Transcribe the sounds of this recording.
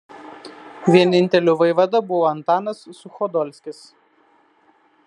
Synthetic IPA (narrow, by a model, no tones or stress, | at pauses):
ʋʲiɛnʲɪnʲt̪ʲɛlʲuːʋɐɪʋɐd̪ɐbʊʋoːɐnt̪ɑːnɐsːʊxɔd̪ɔlʲsʲkʲɪs